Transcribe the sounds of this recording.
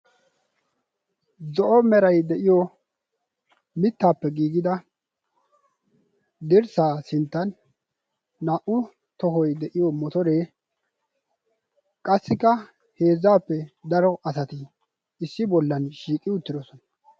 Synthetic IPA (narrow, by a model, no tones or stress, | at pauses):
zɔʔɔmɛɾɐjd̪ɛʔɪjɔ | mɪt̪ːaːpːɛɡiːɡɪd̪ɐ | d̪ɪɾsaːsɪnt̪ːɐnː | aʔʊ | t̪ɔɦɔjd̪ɛʔɪjɔmɔt̪ɔɾe̞ː | kʼɐsːɪkːɐ | he̞ːzːaːpːɛd̪ɐɾɔʔɐsɐt̪ɪ | ɪsːɪbɔlːɐnʃiːkʼːɪʊt̪ːɪd̪ɔsɔnɐ̥